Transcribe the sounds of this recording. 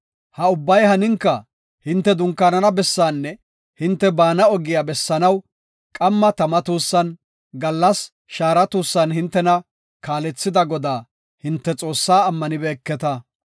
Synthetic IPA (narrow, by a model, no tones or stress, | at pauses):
hɐʊbːɐjhɐnɪŋkːɐ | hɪnt̪ːɛd̪ʊŋkːaːnɐnɐbɛsːaːnːɛ | hɪnt̪ːɛbaːnɐɔɡɪjabɛsːɐnɐw | kʼɐmːɐt̪ɐmɐt̪uːsːɐn | ɡɐlːɐs | ʃaːɾɐt̪uːsːɐnhɪnt̪ːɛnɐ | kaːlɛt͡sːɪd̪ɐɡɔd̪aː | hɪnt̪ːɛt͡sʼo̞ːsːaːmːɐnɪbɛːkːɛt̪ɐ